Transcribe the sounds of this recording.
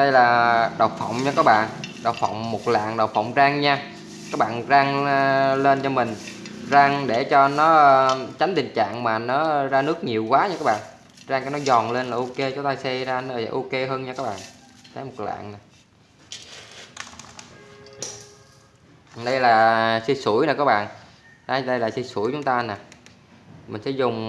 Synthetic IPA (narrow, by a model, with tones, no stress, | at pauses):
ɗə˧jlaː˨˩ɗə˨˩wfɔ˧˨wŋ͡mɲɔ˧kaː˦˥k̚ɓa̰ː˧˨nɗə˨˩wfɔ̰˧˨wŋ͡mmo˨˩t̚la̰ː˧˨ŋɗə˨˩wfɔ̰˧˨wŋ͡mzaː˧ŋɲaː˧ | kaː˦˥k̚ɓa̰ː˧˨nzaː˧ŋle˧nt͡ɕɔ˧mï˨˩ŋ̟ | zaː˧ŋɗe˧˩t͡ɕɔ˧nɔː˨˦˧t͡ɕa˨˦jŋ̟t̪ï˨˩ŋ̟t͡ɕa̰ː˧˨ŋmaː˨˩nɔ˨˦zaː˧nɨ˦˥ək̚ɲi˨˩əwkwaː˨˦ɲa˧kaː˦˥kɓa̰ː˧˨ | zaː˧ŋka˧˩nɔ˨˦zɔ˨˩nle˧nlaː˨˩ʔo˧ke˧t͡ɕɔ˨˦t̪aː˧jsɛ˧zaː˧n̰˧˨˩ʔo˧ke˧ɦəː˧nɲaː˧kaː˦˥k̚ɓa̰ː˧˨n | t̪ʰə˨˦jmo˨˩la̰ː˧˨ŋna˨˩ | ɗə˧jlaː˨˩si˧su˧˩əjna˨˩kaː˦˥k̚ɓa̰ː˧˨n | ɗa˨˧˦ɗə˧jlaː˨˩si˧su˧˩əjt͡ɕʊ˨˦ŋ͡mt̪aː˧na˨˩ | mï˨˩ŋ̟sɛ̰˧˥zʊ˨˩ŋ͡m